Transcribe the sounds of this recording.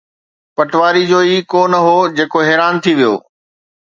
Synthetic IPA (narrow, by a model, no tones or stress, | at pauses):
pɐʈʋaːɾid͡ʑoːiːkoːnɐɦoːd͡ʑeːkoɦɛːɾaːnt̪ʰiʋijo̰ː